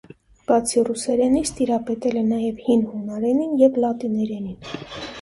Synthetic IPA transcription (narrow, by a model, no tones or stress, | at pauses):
b̥ɑt͡sʰirusɛɾɛnist̪iɾɑpɛt̪ɛlɛnɑjɛvhinhunɑɾɛninjɛvlɑt̪inɛɾɛnin